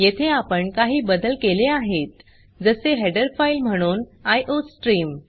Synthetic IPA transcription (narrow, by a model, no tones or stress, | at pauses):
jet̪ʰeapəɳkaɦiːbəd̪əlkeleaɦet̪ | d͡zəseɦeɖəɾfajlm̤əɽ̃uːnajʔosʈɾiːm